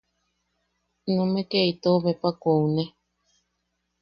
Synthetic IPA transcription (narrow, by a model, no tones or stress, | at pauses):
nũmẽkeit̪oβepakoune